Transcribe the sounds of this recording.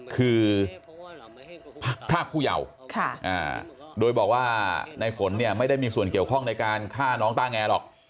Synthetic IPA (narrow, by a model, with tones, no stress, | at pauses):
kʰɯː˧ | pʰpʰɾaː˥˩k̚ʰːuː˥˩ja̰˨˩w | kʰa˥˩ʔa̰ː˨˩doː˧jbɔː˨˩k̚waː˥˩na˧jfo˩˦nːi˥˩ɐma˥˩jda˥˩jmiː˧su˨˩ənki˨˩əwkʰɔ˥˩ŋna˧jkaː˧nkʰaː˥˩nɔː˦˥ŋt̪aː˥˩ŋɛː˧lɔː˨˩k̚